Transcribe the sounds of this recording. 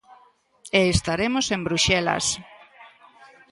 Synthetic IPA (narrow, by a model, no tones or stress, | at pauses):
eːst̪aɾemosembɾuʃɛla̰s